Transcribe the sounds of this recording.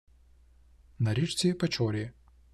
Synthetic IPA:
nɐɾʲit͡ʃt͡sʲipɐt͡ʃɔɾʲi

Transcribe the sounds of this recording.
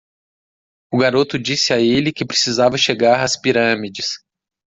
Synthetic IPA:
ʊɡaɾot̪ʊd͡ʒisɪaelɪkɪpɾe̥sizavɐʃeɡaɾɐspiɾɐ̃mid͡ʒɪs

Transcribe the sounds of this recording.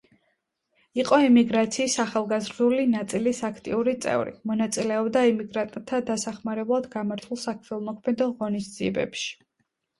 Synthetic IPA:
iqʼɔɛmiɡɾat̪sʰiːsaχalˠɡazɾd̪ulinat̪sʼilisakʰt̪ʼḭuɾit̪sʼɛ̰vɾḭmɔnat̪sʼilɛɔbd̪aimiɡɾat̪̚ʼt̪ʰːad̪asaχmaɾɛblˠad̪ɡamaɾt̪ʰulˠsakʰmɛlˠmɔkʰmɛd̪ɔʁɔnisd̪z̥iɛbɛ̰pʃi̥

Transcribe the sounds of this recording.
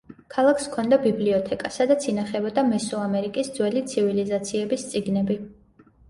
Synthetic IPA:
kʰalˠakʰskʰɔnd̪abibliɔt̪ʰɛkʼasad̪at̪sʰinaχɛbɔd̪amɛsuamɛɾikʼisd̪zwɛlit̪sʰivilizat̪sʰiɛbist̪sʼiɡnɛbi

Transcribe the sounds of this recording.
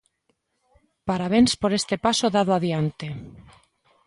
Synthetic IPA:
paɾaβ̞enspoɾest̪epasoðaðoaðjant̪e

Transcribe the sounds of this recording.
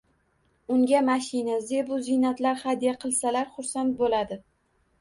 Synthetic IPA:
ʊŋɡʲamaʃɪnazebʊzɪnat̪laɾχad̪ijaqʰɨlˠsalaɾχʊɾsant̪̚bolad̪ɪ

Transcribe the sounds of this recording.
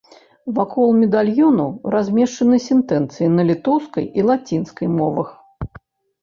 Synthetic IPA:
vakʰɔlˠmʲɛd̪alʲjɔnuɾazʲmʲɛʂt͡ʂɐnɨsʲɛnt̪ɛnt̪sɨjinɐlʲit̪ɔwskɐ̰jilˠat͡sʲinskɐjmɔvɐx

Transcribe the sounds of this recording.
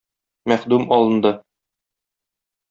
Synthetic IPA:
mæχd̪ʉmɒlˠɤ̆nd̪ɤ

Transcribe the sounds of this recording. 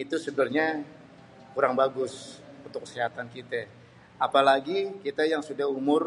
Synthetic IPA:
it̪usəbərɲa | kuɾaŋbaɡʊsunt̪ʊkːə̥siɦat̪ankit̪a | apalaɡikit̪ajaŋsudahumʊr

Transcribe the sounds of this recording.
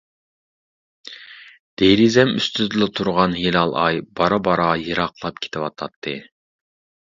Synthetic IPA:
d̪̥eɾizɛmy̰st̪yzɪlˠɪt̪ʰuɾʁɑnɦilɑlˠɑjb̥ɑɾɑbɑɾɑjɨɾɑqlˠɑp̚kʲʰe̥t̪ʰɪwɑt̪ʰɑt̪ʰːɨ̰

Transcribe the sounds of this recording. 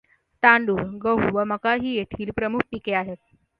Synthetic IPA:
t̪ãɳɖuːɾɡəɦuʋəməkaɦiːjet̪ʰiːlpɾəmuk̚ʰpikeaɦet̪̚

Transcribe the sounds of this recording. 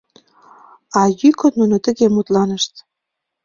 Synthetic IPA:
ɑjykonnunot̪ə̆ɣemut̪lɑnə̆ʃt̪

